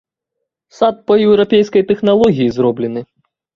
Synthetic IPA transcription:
sat̪̚pɐjɛwɾapʲejskɐjt̪ɛxnalˠɔɣʲijizɾɔblʲɛnɨ

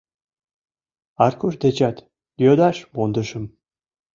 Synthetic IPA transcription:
ɑrkuʃd̪et͡ɕɑt̪ | jʲød̪ɑʃmond̪ə̆ʃə̆m

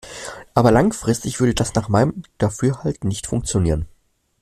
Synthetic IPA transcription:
ʔaːbɐlaŋfʁ̥ɪstɪçv̥ʏɐdədasnaːχmaɪnəmd̥afyːɐhaltnɪçtfʊŋkt͡sjoniːʁ̞ən

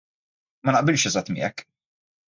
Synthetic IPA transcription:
mɐnɐʔbɪlʃɛzɐt̪ːmɪ̰ːɛ̰kː

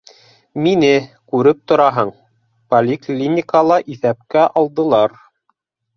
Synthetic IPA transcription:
minɘkʉɾɘp̚t̪ŏɾɑɦɤɴ | polʲɪklʲinʲɪkəlˠɑʔiθæp̚kæʔɑlˠd̪ɤ̆lˠɑɾ

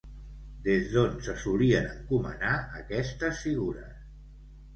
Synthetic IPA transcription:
d̪ezðonsəsuliənəŋkumə̰naəkɛst̪əsfiɣuɾə̰s

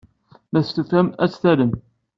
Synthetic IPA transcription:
mæθt̪ufæmæt͡sːθæɾəm

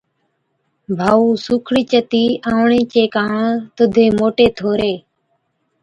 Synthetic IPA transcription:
bʱaːuːsuːkʰɽiːt͡ʃət̪iːãːʋɳẽːt͡ʃeːkãːt̪ʊd̪ʱeːmoːʈeːt̪ʰoːɾeː

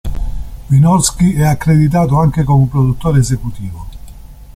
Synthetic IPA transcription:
pinɔɾskiɛakːɾed̪it̪̬aːt̪̬oaŋk̟ekomepɾod̪ut̪ːoːɾeːzekut̪iːvo

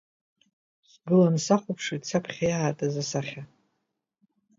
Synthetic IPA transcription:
sɡɨlansaχʷʊpʰʂit͡sʰapʰχʲajaːtʼazasaχʲa

